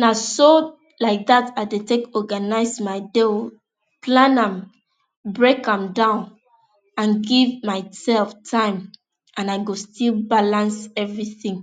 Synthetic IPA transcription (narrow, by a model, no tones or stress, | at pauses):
naso | laɪk̚ðataɪdetekɔɡanaɪsmaɪde | pʰlãnãm | bɹekãmdãʊ̃n | ãnɡivmaɪsɛlftʰãɪ̃m | ʔãnaɪɡostilbalãnsɛvɹiθĩŋ